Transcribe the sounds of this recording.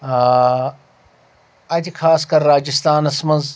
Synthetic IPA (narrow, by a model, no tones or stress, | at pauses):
ɐd͡ʑkʰaːskɐɾːaːd͡ʒɪst̪aːnɐsmɐ̃nz